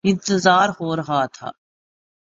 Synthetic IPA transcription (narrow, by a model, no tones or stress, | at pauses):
ɪ̃nt̪əzaːɾɦoːɾɐɦaːt̪ʰa̰ː